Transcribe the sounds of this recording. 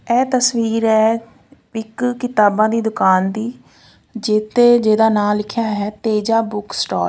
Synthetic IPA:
ɛːt̪əsʋiːɾɛː | ɪkkɪt̪aːbãːd̪iːd̪ʊkaːnd̪iː | d͡ʒeːt̪eːd͡ʒeːd̪aːnaːllɪkʰjaːɦɛːt̪eːd͡ʒãːbʊksʈɔ̰ːɾ

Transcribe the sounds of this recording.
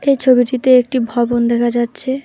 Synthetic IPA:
ejt͡ɕʰobiʈit̪eek̚ʈibʱɔbond̪ɛkʰad͡ʑatːɕʰe

